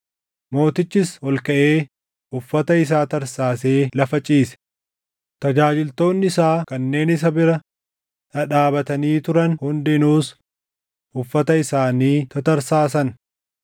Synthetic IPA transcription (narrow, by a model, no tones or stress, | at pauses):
mo̞ːt̪ɪt͡ʃːɪsɔlkɐʔe̞ː | ʔʊfːɐt̪ɐɪs̬aːt̪ɐɾsaːse̞ːlɐfɐt͡ʃʼiːsɛ̥ | t̪ɐd͡ʒaːd͡ʒɪlt̪o̞ːnːɪɪsaːkɐnːe̞ːnɪs̬ɐbɪɾɐ | t̪ɐᶑaːbɐt̪ɐniːt̪ʊɾɐnhʊnd̪ɪnuːs | ʔʊfːɐt̪ɐɪsaːniːt̪ɐt̪ɐɾsaːsɐn